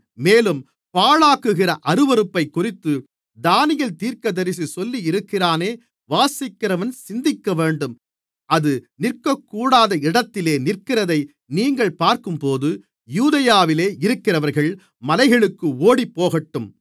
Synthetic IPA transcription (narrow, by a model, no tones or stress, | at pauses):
meːlɯm | paːɭaːkɯɣɪrɐʔɐɾɯʋɐɾɯpːɐɪkːʊrɪt̪ːɯ | d̪aːnɪjɐlt̪iːɾkɐðɐɾɪs̬isɔlːijɪɾɯkːɪraːneː | ʋaːsɪkːɪrɐʋɐnsɪnd̪ɪkːɐʋeːɳɖɯm | ʔɐðɯnɪrkɐkːuːɽaːðɐɪɽɐt̪ːɪleːnɪrkɪrɐðɐɪ | niːŋɡɐɭpaːɾkɯmpoːðɯ | juːðɐjaːʋɪleːɪɾɯkːɪrɐʋɐɾɣɐɭ | mɐlɐɪɣɐɭɯkːɯoːɽipːoːɣɐʈːɯm